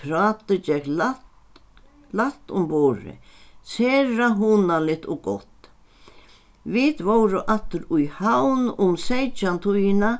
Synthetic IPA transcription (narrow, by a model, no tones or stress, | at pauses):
ɾaːt̪ɪd͡ʒɛklat | laht̪ʊmbɔːɾɪ̰sɛːɾaɦuːnalɪt̪ɔɡɔ̰t̪ | vɪt̪vowɾʊʔat̪ʏɾʊjhawnʊmsejt͡ʃant̪ʰujɪna